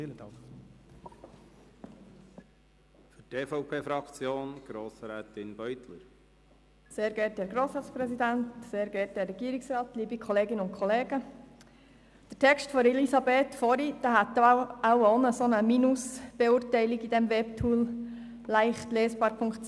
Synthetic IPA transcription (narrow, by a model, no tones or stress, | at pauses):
fʏteːfɔʊpʰeːfɾɑkt͡sjoːnɡ̥ɾoːsɾɛːt̪ɪnb̥œʏt̪ʰlə̰ɾ | seːɾɡɛːɾthɛːɾɡɾoːsɾɑːtspɾɛsid̪æntseːɾɡɛːt̚hɛɾːɛɡiːɾɪksrɑːt̪liːbikʰχɔleːɡɪnəʊnkʰɔleːɡ̥ə | d̥ətʰɛkʃtfɔɾɛlisɑbeːt̪fɔɾid̥ɑːɦæt̪ːawɔnəsonəminusb̥euːɾtæɪliɡid̥ɛmʋɛptʰuːlː | æɪχtleːsb̥ɑːɾpʰʊŋktt͡s